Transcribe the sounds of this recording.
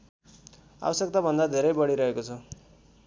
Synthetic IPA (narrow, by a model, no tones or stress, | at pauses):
a̰bʌsek̚t̪abʱʌnd̪ad̪ʱeɾʌjbʌɽiɾʌɦekot͡sʰʌ